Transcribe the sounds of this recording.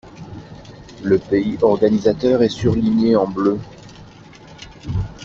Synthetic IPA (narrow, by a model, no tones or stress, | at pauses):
ləpeiʔɔʁɡanizat̪œʁɛsyʁliɲeɑ̃blø